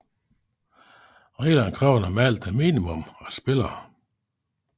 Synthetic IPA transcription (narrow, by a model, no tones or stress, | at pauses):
ʁɛːlænkʰʁɑʊ̰n̩æmæl̰d̥æmḭːnimɔmɒsb̥e̝lɐː